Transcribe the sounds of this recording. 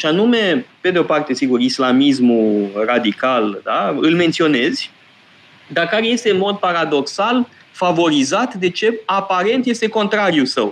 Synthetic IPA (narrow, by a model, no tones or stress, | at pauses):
ʃianume̞ped̪eo̞part̪e̞siɡurislamis̬murad̪ikald̪aɨlme̞nt̪sio̞ne̞zʲ | d̪akaɾeje̞st̪e̞ɨnmo̞d̪̚paɾad̪o̞ksal | favo̞ɾizat̪d̪e̞t͡ʃe̞apaɾe̞nt̪je̞st̪e̞ko̞nt̪ɾaɾijusəw